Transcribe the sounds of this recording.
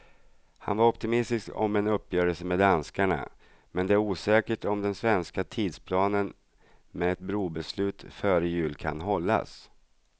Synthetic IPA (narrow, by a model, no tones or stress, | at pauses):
ha̰nvaɾɔpt̪ɪmɪst̪ɪskɔ̰mɛnɵpːjœːɾəlsəmɛd̪anskaɳa̰ | mɛnd̪ɛæɾuːsɛːkəʈɔmd̪ɛnsvɛnskat̪ʰiːd̪spʰlɑːnən | mɛɛt̪̚bɾuːbɛslʉ̟ːt̪fœːɾəjʉ̟ːlkʰa̰nɦɔlːa̰s